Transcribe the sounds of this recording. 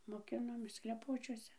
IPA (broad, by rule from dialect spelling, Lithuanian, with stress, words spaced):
moːˈkʲɪnoːmʲeːs klʲɛˈpoːt͡ʃʲuɔsʲɛ